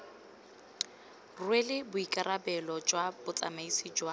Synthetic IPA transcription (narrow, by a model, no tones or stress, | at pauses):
rwelɪbʊikʼarabɛlɔd͡ʒwab̥ʊt͡sʼa̰maisid͡ʒwa